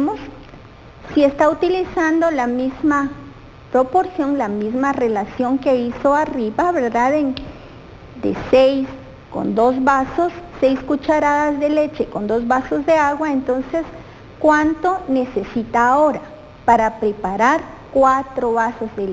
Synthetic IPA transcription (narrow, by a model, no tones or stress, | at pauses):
mosː | iest̪aut̪ilisand̪olamizma | pɾopoɾsjoŋlamizmarelasjoŋkeisoariβaβeɾðaðen | d̪ḛsejs | ko̰nd̪oz̬βasosːejskut͡ʃaɾaðazðelet͡ʃekond̪ozβasozðeaɣwaent̪onses | kwant̪onesesit̪aːoɾa | paɾapɾepaɾaɾ | kwat̪ɾoβasozðel